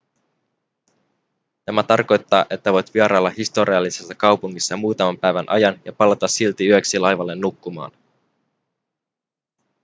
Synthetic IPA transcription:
næmæt̪ɑrko̞jt̪ːɑːʔe̞t̪ːæʋo̞jt̪ʋiɑɾɑːlːɑhist̪o̞ɾiɑlːisesːɑkɑwpuŋːisːɑmuːt̪ɑmɑmpæjʋænʔɑ̰jɑnjɑpɑlɑt̪ɑsːilt̪iyøksilɑjʋɑlːe̞nːukːumɑ̰ːn

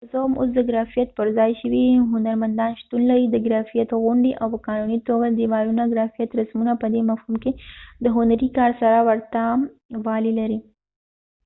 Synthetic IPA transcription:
zomo̰s̬d̪əɡɾɑfijat̪̚pəɾzɑjʃəwiɦʊnaɾmand̪ɑnʃt̪unlaɾid̪əɡɾafijat̪ɣʊɳɖiʔawpəkɑnunit̪oɡad̪imɑɾunaɡɾafijat̪ɾasmunapəd̪emafhumked̪əɦʊnaɾikɑɾsaɾawəɾt̪a | wɑlilaɾi

